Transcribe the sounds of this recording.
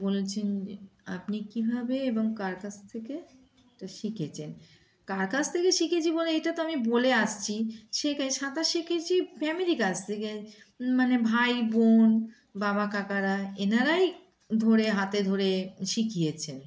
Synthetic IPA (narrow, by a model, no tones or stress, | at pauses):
bolet͡ɕʰend͡ʑea̰pnikibʱabeeboŋkaɾkat͡ɕʰt̪ʰeke | eʈaʃikʰet͡ɕʰen | kaɾkat͡ɕʰt̪ʰekeʃikʰet͡ɕʰiboleejʈat̪oamiboleaʃt͡ɕʰiʃekaʃat̪aʃikʰet͡ɕʰifɛmiɾikast̪ʰeke | manebʱajbon | baβakakaɾaenaɾaj | d̪ʱoɾeɦat̪ed̪ʱoɾeʃikʰijet͡ɕʰen